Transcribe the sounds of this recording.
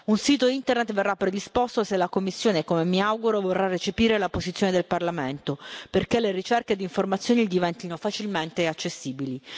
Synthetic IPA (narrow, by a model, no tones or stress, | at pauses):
unsiːt̪oint̪ernet̪verːapːɾed̪ispost̪oselːakomːisːjoːnekomemiawɡuɾovorːarːet͡ʃepiːɾelapozit̪sjoned̪elparlament̪operkelerit͡ʃɛrked̪iɱformat̪sjoːnid̪ivɛnt̪inofat͡ʃilment̪eat͡ʃːesːiːbili